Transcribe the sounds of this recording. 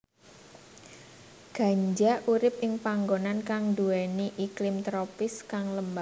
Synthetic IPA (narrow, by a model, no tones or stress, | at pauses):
ɡ̥a̤ɲd͡ʒaʔuɾɪp̚ʔɪŋpaŋɡonankaŋd̪uɛniʔiklɪmt̪ɾopɪskaŋləmba